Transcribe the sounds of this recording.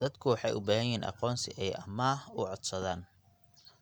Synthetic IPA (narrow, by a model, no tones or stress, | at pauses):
ɐd̪kʰʊwɑħɑjʔʊbaːɦɐjɪɦiːnʔɑ̰qɔːnsɪʔɛjʔɐmɐʊʕɔd̪sɐðaːn